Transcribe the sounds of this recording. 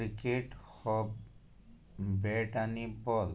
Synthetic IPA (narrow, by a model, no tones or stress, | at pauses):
ɾikeʈxɔb | bɛʈanibɔl